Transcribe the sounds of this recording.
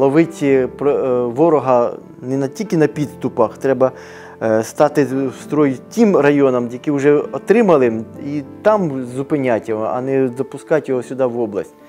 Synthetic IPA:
lˠɔʋɪt͡sʲipɔʋɔɾɔɦɐ | nɛnɐtʲilʲkɪnɐpʲid̪st̪ʊpɐxt̪ɾɛbɐ | st̪ɑt̪ɪst̪ɾɔjtʲimrɐjɔnɐmjɐkiwʒɛɔt̪ɾɪmɐlˠɪit̪ɑmzʊpɪnʲatʲjɔɦɔɐ̰nɛzɐpʊskɑtʲjɔɦɔsʲʊd̪ɑʋɔblˠɐ̰sʲtʲ

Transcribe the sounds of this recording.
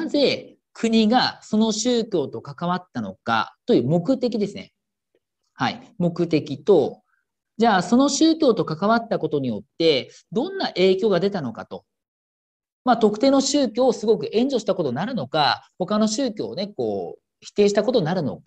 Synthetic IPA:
nãnze̞ | kʰɯ̟ɲ̟iɡaso̞no̞ɕɨːkʲo̞ːt̪o̞kakaβ̞at̪ːano̞̰ka̰t̪o̞jɯ̟ːmo̞kɯ̟t̪e̞k̬ʲid̪e̞sɨnḛ | haḭmo̞kɯ̟t̪e̞kʲit̪o̞ | d͡ʑaːso̞no̞ɕɨːkʲo̞ːt̪o̞kakaβat̪ːako̞t̪o̞ɲ̟ijo̞t̪ːe̞ | d̪õ̞nːaʔe̞ːkʲo̞ːɡad̪e̞t̪ano̞ka̰t̪o̞ | maːt̪o̞kɯ̟̥t̪e̞ːno̞ɕɨːkʲo̞ːsɨɡo̞k̬ɯ̟ʔẽ̞ɲ̟d͡ʑo̞ɕi̥t̪ako̞t̪o̞naɾɯ̟no̞kaho̞kano̞ɕɨːkʲo̞ːne̞ko̞̰ː | çi̥t̪e̞ːɕi̥t̪akot̪o̞inaɾɯ̟no̞̰ka

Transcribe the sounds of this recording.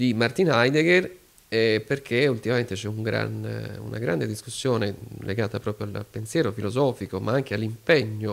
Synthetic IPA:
d̪imart̪inajd̪eɡer | ɛperkʰeult̪imament̪et͡ʃɛuŋɡɾa̰nṵna̰ɡɾa̰nd̪ed̪iskusːjoːnelḛɡaːt̪apɾɔːpɾjoa̰la̰pensjɛːɾofilozɔːfikomaaŋk̟ealːimpeɲːo

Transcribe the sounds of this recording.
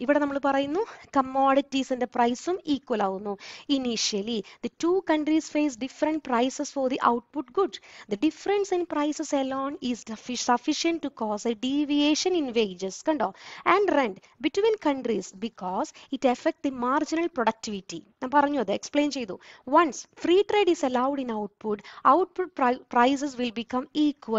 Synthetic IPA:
iʋiɽenɐmːɐɭpɐrɐjunːukɐmoːɽitːisindeprɐjsumiːkːwɐlaːɣunːuiniʂɐlid̪ɐtuːkɐɳɖrisfeːs̬ɖifɐɾɐɳʈ̚prɐjsesfɔɾd̪iʔɐ̰wʈ̚puʈɡuɖd̪ɐɖifɐɾɐnsĩnprɐjsesɐloːnisfisɐfiʃɐ̃nʈːukɔːsɐɖiʋieːʂɐninʋejd͡ʑɐskɐɳɖoːæ̃ɳɖrẽɳɖ | biʈʋĩːnkɐ̃ɳʈɾisbikɔːziʈɐfek̚ʈ̚d̪imaːɾd͡ʒinɐlpɾoɖɐk̚ʈiʋiʈːinãːmpɐɾɐɲːuɐd̪ɨeksplẽːnt͡ʃejd̪uʋɐ̃nsfɾiːʈɾeːɖisɐlawɖĩnawʈ̚puʈawʈ̚pʊʈ̚papɾaɪs̬es̬ʋilbikɐ̃miːkʋɐl

